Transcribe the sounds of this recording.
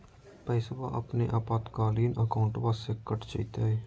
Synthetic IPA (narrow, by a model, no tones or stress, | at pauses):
pɛːsba̰ʔəpneʔaːpaːt̪kaːliːnəkaːʊɳʈʋaːsekəʈt͡ʃəit̪aɦeː